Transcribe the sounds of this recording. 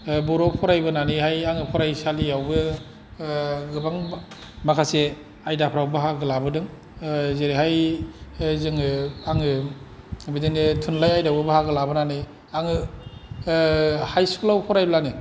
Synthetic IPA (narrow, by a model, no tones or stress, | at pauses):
bɔɾɔpʰɔɾajbɯnanihajaŋɯpʰɔɾajsaliawbɯ | ɡɯbaŋ | makʰase | ajdapʰɾawbɯɦaɡɯlabɯdɯŋ | zeɾehaj | zɯŋɯaŋɯ | bidenetʰunlajajdawbɯbɯhaɡɯlabɯnani | aŋɯ | hajsuklawpʰɔɾajblani